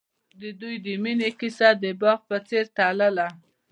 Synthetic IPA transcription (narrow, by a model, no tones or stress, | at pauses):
d̪əd̪ujd̪əminekisad̪əbɑɣpət͡seɾt̪aləla